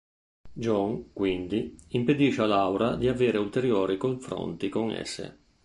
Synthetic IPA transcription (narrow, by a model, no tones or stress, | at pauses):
d͡ʒɔŋkwind̪iimped̪iʃealawɾad̪iaveːɾeult̪eɾjɔːɾikoɱfɾo̰nt̪ikoŋɛ̰sːḛ